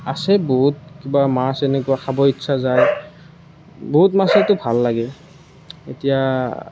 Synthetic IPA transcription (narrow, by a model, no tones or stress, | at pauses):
asɛboɦut̚kibamasɛnɛkuaxabɔitsʰazaj | boɦutmasɛtʊbʱalːaɡɛ | etija